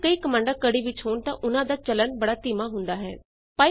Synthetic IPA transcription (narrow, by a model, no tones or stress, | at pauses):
kəiːkəmãːɳɖaːkəɽiːʋɪt͡ʃɦoːɳt̪ã̰ːʔʊnãːd̪aːt͡ʃələnbəɽaːt̪iːmãːɦʊnd̪aːɦɛ̰ː | paː